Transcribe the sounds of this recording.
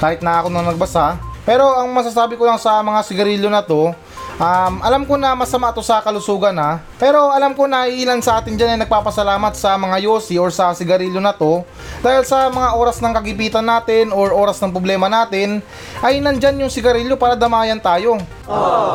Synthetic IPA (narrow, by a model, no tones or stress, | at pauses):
kaːhɪt̪nɐʔaːkonɐŋnɐɡ̚bɐsapɛːɾo̞ʔɐŋmɐs̬as̬aːbɪko̞lɐŋsɐmɐŋasɪɡɐɾiːlo̞nɐt̪o̞ | ʔamʔɐlamko̞nɐmɐsɐmaʔt̪o̞sɐkɐlʊsuːɡɐna | pɛːɾo̞ʔɐlamko̞nɐhiʔiːlansɐʔaːt̪ɪnd͡ʒanɐjnɐɡ̚paːpɐsɐlaːmɐt̪̚sɐmɐŋajoːsioɹsɐsɪɡɐɾiːlonɐt̪o̞ | d̪̥aːhɪlsɐmɐŋaʔo̞ːɾɐsnɐŋkɐɡɪpiːt̪ɐnːaːt̪ɪno̞ɹʔo̞ːɾɐsnɐŋpɾoblɛːmɐnaːt̪ɪn | ʔɐjnɐnd͡ʒanjʊŋsɪɡɐɾiːlo̞paːɾɐd̪ɐmaːjɐnt̪aːjo̞